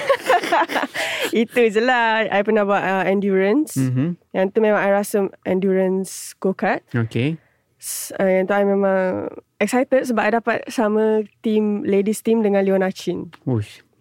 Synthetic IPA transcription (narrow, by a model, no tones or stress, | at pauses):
it̪uiz̬əlaa̰jpənahbaaʔəɛ̃ndjuɾənsjãŋt̪umẽmãŋajɾasəmʔɛ̃ndjuɹənskokat̪̚oke | sajaŋt̪uajmemãŋ | ɛk̚sajt̪ət̪̚səbaʔ̚ajdapat̪̚samət̪imledist̪imdəŋãnliɔnat͡ʃinu